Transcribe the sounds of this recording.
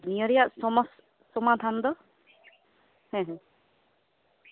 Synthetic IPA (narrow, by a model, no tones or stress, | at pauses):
nijɔɾijaʔsɔmɔs | sɔmad̪ʱand̪ɔ | hɛ̃ɦɛ̃